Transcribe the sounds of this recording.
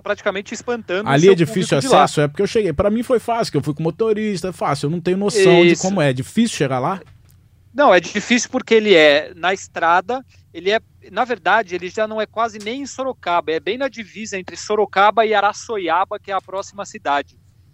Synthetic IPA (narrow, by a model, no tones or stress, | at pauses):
pɾat͡ʃi̥kamẽnt͡ʃɪispɐ̃nt̪ɐ̃d̪aliɛd͡ʒiffisjuassɛsʊɛpoɾkeewʃeɡejpɾɐmĩfojfasu̥kewfujkõmot̪oɾist̪ɐɛfasuwewnɐ̃w̃t̪ẽɲʊnosɐ̃w̃d͡ʒd͡ʒɪkõmʊɛd͡ʒifisiuʃeɡala | nɐ̃w̃ɛd͡ʒɪd͡ʒifisjʊwpoɾkeelɪɛnɐɪst̪ɾad̪ɐ | elɪɛ | nɐveɾd̪ad͡ʒɪelɪʒanɐ̃w̃ɛkwazɪnẽj̃ẽsoɾokabɐɪɛbẽj̃nɐd͡ʒivizɐẽnt̪ɾɪsoɾokabɐɪaɾasojabɐkɪɛɐpɾɔsimɐsid̪ad͡ʒɪ